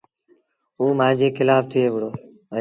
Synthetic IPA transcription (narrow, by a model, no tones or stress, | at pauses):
uːmãːd͡ʒeːkɪlaːft̪ʰɪeːʋɪɽoː | ə̃